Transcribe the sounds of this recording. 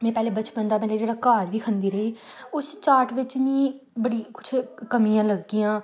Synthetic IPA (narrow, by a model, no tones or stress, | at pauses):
mɛ̃ːpɛːleːbət͡ʃbə̃nd̪aːmɛ̃ːleːd͡ʒeːɽaːkaːɾʋiːkʰənd̪iːɾəɦeːʊst͡ʃaːʈʋɪt͡ʃnĩːbəɽiːkʊ̥t͡ʃʰkəmijãːləɡːiːãː